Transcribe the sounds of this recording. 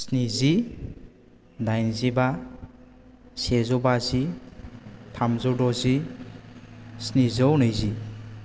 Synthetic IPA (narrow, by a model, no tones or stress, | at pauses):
snizi | dajnziba | sezɔbazi | tʰamzɔwdɔzi | snizɔwnɯjzi